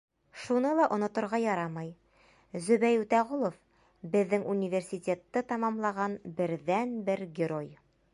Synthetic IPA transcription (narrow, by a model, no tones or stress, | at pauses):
ʃunɤlˠɑʔŏnŏt̪ŏɾʁɑjɒɾɑmɑj | zɵ̆bæjʉt̪æʁulˠof | bɘ̆ðːɘŋʔunʲivʲersʲitʲe̞t̪ːɤt̪ɑmɑmlˠɑʁɑnbɘ̆ɾðænbɘɾɡʲɪɾo̞j